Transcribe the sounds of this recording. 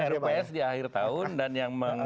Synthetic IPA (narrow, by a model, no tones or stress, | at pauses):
ɛɾpɛsdiaxɪrt̪aʊndanjaŋməŋ